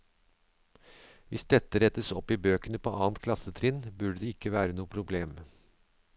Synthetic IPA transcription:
ʋɪsd̪ɛt̪ːəɾɛt̪əsɔpːibøːkənəpʰo̰ːʔɑːnt̪kʰlɑsət̪ʰɾɪnbʉɖəd̪ɛɪkːəʋæːɾənuːəpʰɾʊbleːm

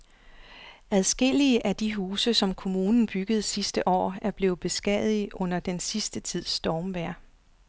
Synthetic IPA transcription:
æð̞ˠsɡ̥e̝l̰iəʔæd̥iɦuːsəsɒ̽mkʰo̝muːnn̩b̥yɡ̥əð̞̩ˠsisd̥əʔɒ̰ːæɐb̥le̝ːb̥e̝sɡ̥ɛ̰ðˠiʔɔ̽n̰ɐd̥ensisd̥ət͡sʰið̞̰ˠsd̥ɒːmʋæɐ̰

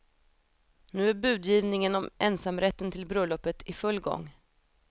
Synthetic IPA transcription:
nʉ̟ːæɾbʉ̟ːd̪jiːvnɪŋənɔmʔɛnsamɾɛt̪ːənt̪ʰɪlbɾœlɔpːət̪ʰɪfɵlːɡɔ̰ŋː

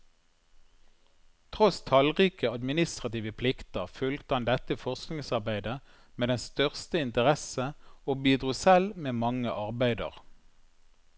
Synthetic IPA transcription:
t̪ʰʁɔst̪ʰɑlʁiːkəɑd̪mɪnɪst̪ʁɑt̪iːʋəpʰlɪkt̪əʁfʉlt̪hɑnd̪ɛt̪əfɔʁsknɪŋsɑʁbæɪd̪ə | meːd̪ɛnst̪œʁst̪əɪnt̪əʁɛsəoːbiːd̪ʁʉːsɛlmeːmɑŋəʔɑʁbæɪd̪ə̰ʁ

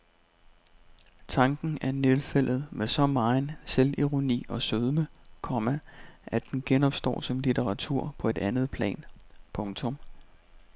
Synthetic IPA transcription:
t͡sʰɑ̈ŋɡ̥n̩æɐnelfel̰ð̞̩ˠmesɒ̽mɑ̈nseliʁo̝nḭːɒ̽søðˠməkʰɒmæʔæd̥enɡ̥enɒ̽b̥sd̥ɒ̰ːsɒ̽mlit͡sʰeʁɑ̈t͡sʰuɐ̰pʰɒ̽e̝d̥ænð̞̩ˠpʰlɛ̰ːnpʰɔ̽ŋt͡sʰɔ̽m

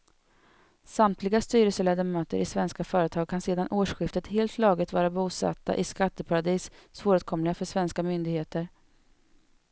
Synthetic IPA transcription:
samt̪ʰlɪɡast̪yːɾəsəleːd̪əmøːt̪ə̰ɾʔɪsvɛnskafœːɾət̪ʰɑːɡ̚kʰanseːd̪anʔoːʂɧɪft̪ət̪heːlt̪ʰlɑːɡɪt̪vɑːɾabuːsa̰t̪ːa̰ʔɪskat̪ːəpʰaɾad̪iːssfoːɾɵt̪̚kʰɔmlɪɡafœʂvɛnskamʏnd̪ɪɡheːt̪əɾ

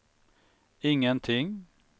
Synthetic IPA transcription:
ɪŋənt̪ʰɪŋ

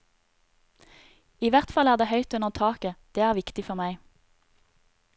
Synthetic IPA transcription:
iːʋæʁt̪fɑlæːʁd̪eːhœʏt̪ʉnəʁt̪ʰɑːkəd̪̥eːæːʁʋɪkt̪ɪfɔʁmæɪ

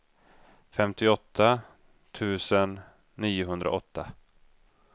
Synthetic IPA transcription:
fɛmt̪ɪɔt̪ʰːa | t̪ʰʉ̟ːsənː | iːʊɦɵnd̪ɾa̰ɔt̪ʰːa

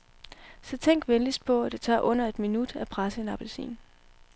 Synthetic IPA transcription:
sɒ̽t͡sʰeŋ̰ɡ̥ʋenlis̚pʰɒ̽æd̥e̝t͡sʰɑ̰̈ːʔɔ̽n̰ɐe̝d̥minud̥æpʰʁasəenɑ̈b̥ælsḭːn

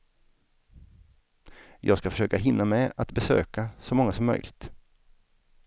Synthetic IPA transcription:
jʔɑ̰ːɡskafœ̥ʂøːkaɦɪnːamɛat̪bɛsø̰ːkasɔmɔŋːasɔmːœjlɪ̰t̪

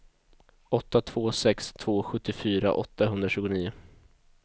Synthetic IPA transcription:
ɔt̪ːat̪ʰv̥oːsɛkst̪ʰv̥oːɧɵt̪ːɪfyːɾa̰ʔɔ̰t̪ːaɦɵnd̪ɾaɕʉ̟ːɡʊniːʊ

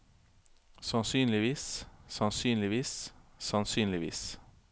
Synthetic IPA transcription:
sɑnsyːnlɪʋiːssɑnsyːnlɪʋiːssɑnsyːnlɪʋḭːs

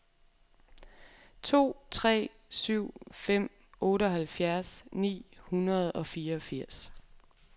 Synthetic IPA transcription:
t͡sʰo̝̰ːt͡sʰʁɛ̰ː | syʊ̰fem̰ | ɔ̽ːɾəɒ̽ɦælfjæɐsnḭːhunɐð̞̩ˠɒ̽fiːɐɒfiɐ̰s

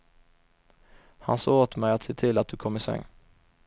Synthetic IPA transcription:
hɑ̰nsoːoːt̪mɛɪat̪seːt̪ʰɪlat̪̚d̪ʉkʰɔmɪsœ̰ŋ

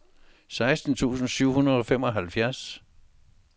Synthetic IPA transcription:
sɑ̈ɪsd̥n̩t͡sʰṵːsn̩syʊ̰hunɐð̩ˠɒ̽fem̰ɒ̽ɦælfjæɐs

